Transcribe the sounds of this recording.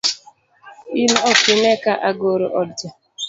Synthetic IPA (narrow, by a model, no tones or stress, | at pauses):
inɔkenekaʔaɡoɾoʔɔd͡ʒɔ